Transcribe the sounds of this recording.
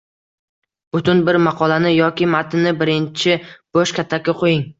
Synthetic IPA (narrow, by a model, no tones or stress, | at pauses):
b̥ʊt̪ʰʊnbɪɾmɑqʰɒlˠanɪjɒkʲɪmat̪ʰɪnɪbɪɾɪnt͡ʃʰɪb̥oʃkʲʰat̪ʰːakʲːaqʰojɪŋ